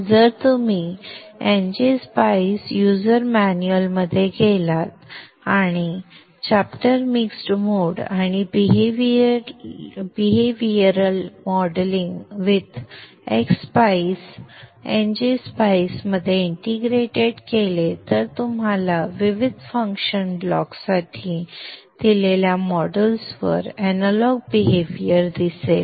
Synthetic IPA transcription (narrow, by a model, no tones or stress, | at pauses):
d͡zəɾt̪umi | end͡ʑispaisjuzəɾmænuəlməd̪ʱːjekelat̪ | aɽ̃i | t͡ɕapʈəɾmiksʈmoːɽaɽ̃ibiɦʋ | biɦeʋiəɾəlmɔɽliŋɡʋid̪ | ḛkspaisend͡ʑispaisməd̪ʱːjeiɳʈiɡɾeʈeɽkelet̪əɾt̪umɦalaʋiʋid̪ʱfə̃ŋkɕənblɔ̰ksaʈʰid̪̥ileljamɔɽəlsʋə̰ɾænəlɔɡ̚biɦeʋijəɾd̪isel